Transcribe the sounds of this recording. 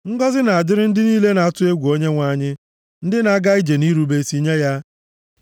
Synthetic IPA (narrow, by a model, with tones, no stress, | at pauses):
ŋ̩˦ɡɔ˦zɪ˦na˨a˨dɪ˦ɾɪ˦n̩˦dɪ˦niː˦le˦na˨a˦tʊ˦e˦ɡʷu˨o˦ɲe˦ŋʷa˦˨ɲɪ˦ | n̩˦dɪ˦na˨˦ɡa˦i˦d͡ʒe˨ni˦ɾu˨˦be˦˨si˦ɲe˦ja˦